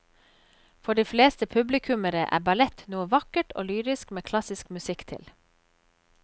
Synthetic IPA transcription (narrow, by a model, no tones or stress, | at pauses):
fɔɖiːfleːst̪əpʰʉblɪkʰʉməɾəʔæ̰ːbɑlɛt̪nuːəʋɑkəʈʰʔo̰ːlyːɾɪskmeːkʰlɑsɪskmʉsɪkt̪ʰɪ̰l